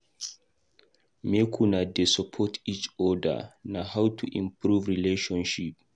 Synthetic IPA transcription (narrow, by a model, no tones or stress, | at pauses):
mekʰunadesɔpʰɔtʰit͡ʃɔda̰nahawtʰuʔĩmpɾuvɹileʃɔ̃nʃip̚